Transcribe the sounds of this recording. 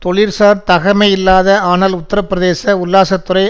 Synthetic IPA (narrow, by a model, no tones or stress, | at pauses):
t̪ɔɭɪɾsaːɾt̪ɐɣɐmɐɪɪlːaːðɐaːnɐlʊt̪ːɐɾɐpːɪɾɐðeːsɐʊlːaːsɐt̪ːɯɾɐɪ